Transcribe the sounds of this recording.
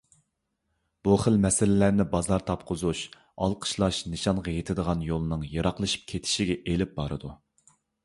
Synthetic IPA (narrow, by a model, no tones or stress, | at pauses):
b̥uχəlmɛsɪlɪlæɾnɪbɑzɑɾt̪ʰɑp̚qʰʊzuʃ | ɑ̰lˠqʰə̥ʃlˠɑʃnɨʃɑnʁɑjet̪ʰɪd̪əʁɑnjolˠɨnɨŋjɑɾɑqlˠɨʃɨ̥p̚kʲʰet̪ʰɪ̥ʃiɡʲɛʔelɪp̚bɑɾɨd̪u